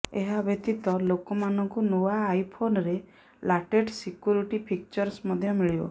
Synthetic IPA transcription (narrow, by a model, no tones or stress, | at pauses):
eɦabʱjet̪it̪ɔlokɔmanɔŋkunowaːjpʰonɔɾe | laʈeʈsikjuɾiʈipʰik̚t͡ʃɔɾsmɔd̪ʱjɔmiɭibɔ̰